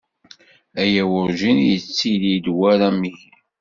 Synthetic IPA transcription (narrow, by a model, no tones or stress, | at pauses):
æjæwʊɾʒinjət͡sːilid̪wæɾamii